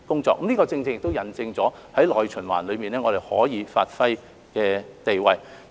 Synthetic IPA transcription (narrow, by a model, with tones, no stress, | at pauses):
kʊ˥ŋt͡sɔ̰ː˧k̚ːɐ˦˥niː˥kɔː˧t͡sɪ˧ŋt͡sɪ˧ŋjɪ˨kt̪o˥wjɐ˨˩nt͡sɪ˧ŋt͡sɔː˨˥ | hɐ˨˥jlɔː˨jt͡ʃʰɵ˨˩nwa̰ː˨˩nlɵ˨˧ɥmiː˨˩nɛ˥ŋɔ˨˧d̪e˨˩jhɔ̰ː˨˥jiː˨˧faː˧t̚fɐ˥j | kɛː˧t̪e˨jwɐ˨˧j